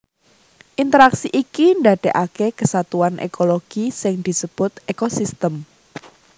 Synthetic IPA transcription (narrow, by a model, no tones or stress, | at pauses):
ʔint̪əɾaksiʔikind̪aɖ̪̥e̤ʔakekəsat̪uanʔḛkoloɡ̥isɪŋd̪̥i̤səb̥ʊt̪ekosist̪əm